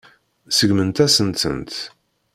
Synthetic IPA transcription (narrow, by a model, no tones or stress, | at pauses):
səɡmənt̪æsənt̪ə̰nt̪